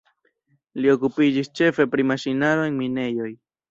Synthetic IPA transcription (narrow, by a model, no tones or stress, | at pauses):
lio̞kupid͡ʒist͡ʃe̞fe̞pɾimaʃinaɾoenmine̞jo̞j